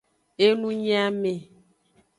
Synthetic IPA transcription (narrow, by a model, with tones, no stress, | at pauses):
e˦nũ˦ɲĩ˦a˦me˨